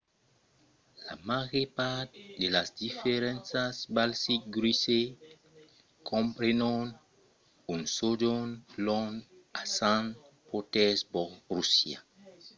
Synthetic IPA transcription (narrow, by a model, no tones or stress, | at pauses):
la̰maɣepat̪̚delasdifeɾɛ̃nsasbalsik̚ɡɾise | kʰɔ̃mpɾenɔn | unsodɔnlɔnasãn | potɛsbɔrusja̰